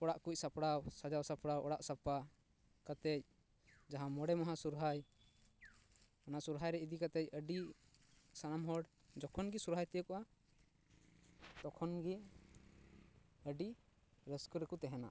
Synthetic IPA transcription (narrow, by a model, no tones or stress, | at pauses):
ɔɽaʔkuc̚ˀsapɽawsad͡ʒawsapɽawʔɔɽaʔsapa | kat̪ɛc̚ | d͡ʒaɦãmɔɽɛmaɦasuɾɦaj | anasuɾɦajɾɛid̪ikat̪ɛc̚əɖi | sanamɦɔɽ | d͡ʒɔkʰɔnɡisuɾɦajt̪ɛjəkɔʔa | t̪ɔkʰɔnɡɛ | əɖi | ɾəskuɾɛkut̪ɛɦɛna̰